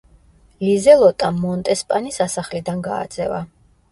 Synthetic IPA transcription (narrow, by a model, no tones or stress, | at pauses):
lizɛlˠɔt̪ʼamːɔnt̪ʼɛspʼanisasaχlid̪anɡa̰ːd̪z̥ɛva̰